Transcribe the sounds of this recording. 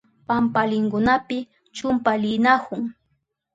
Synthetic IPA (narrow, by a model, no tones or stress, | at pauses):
pampalɪŋkʊnapɪ | t͡ʃʊmpalɪnahʊŋ